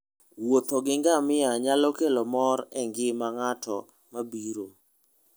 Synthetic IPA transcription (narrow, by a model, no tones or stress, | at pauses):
wot̪oɡɪŋɡamɪaɲalɔkelomɔɾɛŋɡɪmaŋatʰɔ̰ | mabiɾo